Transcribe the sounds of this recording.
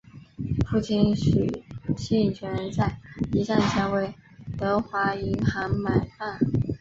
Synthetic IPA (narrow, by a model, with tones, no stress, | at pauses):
fʰu˥˩t͡ɕʰi˥nɕy˨˩ɕi˥i˨˩ŋt͡ɕʰɥɛ˧˥nɻə˧˥nt͡sa˥˩ɪi˧˥ʂa˥˧nɕjɑ˥ŋwe˥˩ɪt̪ɤ˧˥xwa˧˥i˧˥ŋxɑ˧˥ŋma˨˩ɪfa˥˩n